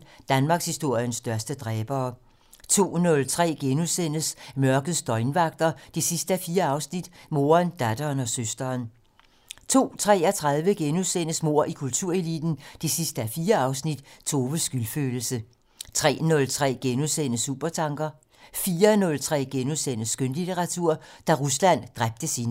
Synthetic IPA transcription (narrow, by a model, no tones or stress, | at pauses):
d̥ænmɑ̈ːɡ̥shisd̥o̝ɐ̰jənsd̥ɶɐsd̥əd̥ʁɛːb̥ɐː | t͡sʰo̝̰ːnɔ̽lt͡sʰʁɛ̰ːɡ̥enuðˠsen̰əsmɶɐɡ̥əð̩ˠsd̥ɒ̽ɪnʋɑ̈ɡ̥̚d̥ɐd̥e̝sisd̥əæfiːɐɑ̈ʊsnid̥mo̝ːɐnd̥æd̥ɐːnɒ̽søsd̥ɐːn | t͡sʰo̝̰ːt͡sʰʁɛ̰ːæt͡sʰʁað̞ˠʋəɡ̥enuðˠsen̰əsmo̝ɐ̰ʔikʰult͡sʰuɐ̰e̝lḭd̥n̩d̥e̝sisd̥əæfiːɐɑ̈ʊsnid̥t͡sʰo̝ːʋəsɡ̥ylføːl̩sə | t͡sʰʁɛ̰ːnɔ̽lt͡sʰʁɛ̰ːɡ̥enuðˠsen̰əsṵb̥ɐt͡sʰɑ̈ŋɡ̥ɐ | fiːɐnɔ̽lt͡sʰʁɛ̰ːɡ̥enuðˠsen̰əsɡ̥ønlit͡sʰeʁɑ̈t͡sʰuɐ̰d̥æʁuslæn̰d̥ʁab̥̚d̥əsin